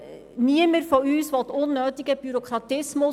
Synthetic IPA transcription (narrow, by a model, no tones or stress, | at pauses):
niəməɾfoyːsʋɔtʊnːøːtɪɡ̥əb̥yɾokʰɾɑtɪsmʊ